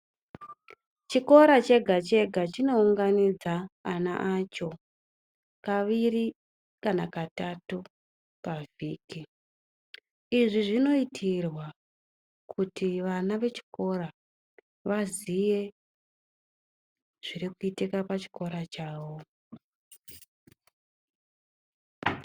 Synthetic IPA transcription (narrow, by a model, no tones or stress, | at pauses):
t͡ʃiko̞ɾat͡ʃe̞ɡʱat͡ʃe̞ɡʱat͡ʃino̞uŋɡanid͡zaːna̰ʔat͡ʃo̞ | kaʋiɾi | kanakatatu | kaviːki | iʐiʐino̞itʰirwa | kʰutiʋanaʋe̞t͡ʃi̥ko̞ɾa | ʋazije̞ | ʐ̥iɾikuitekapat͡ʃi̥ko̞ɾat͡ʃaːwo̞